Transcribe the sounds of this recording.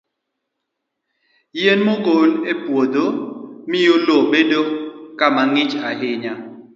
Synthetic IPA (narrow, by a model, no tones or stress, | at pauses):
jenmokonepwod̪omɪjolobedokamaŋɪt͡ʃaɦɪɲa